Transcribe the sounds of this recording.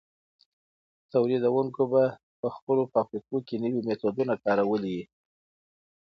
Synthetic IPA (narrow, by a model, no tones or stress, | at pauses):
t̪awlid̪awəŋkoba | pəxpəlopɑfɾikokenəwimet̪od̪unakɑɾawəliwi